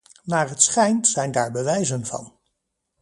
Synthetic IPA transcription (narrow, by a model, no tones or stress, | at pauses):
naːrɦətsχɛjntsɛjndaːɹbəʋɛjzənvɑ̰n